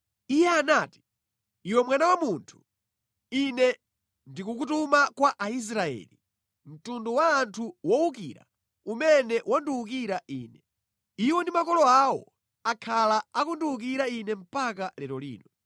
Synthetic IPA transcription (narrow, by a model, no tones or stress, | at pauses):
ijɛanaːti̥ | iwɛmwanawamuntʰu̥ | inɛ | ndikuk̬utumakwaʔais̬ɾaɛ̰ːli | m̩tunduwaːntʰuwɔukḭɾa̰ | umɛnɛwʔanduukiɾaʔiːnɛ | iwɔndimakɔlɔawɔ̰ | akʰalaakunduuk̬iɾainɛm̩pakalɛɾɔlḭːnɔ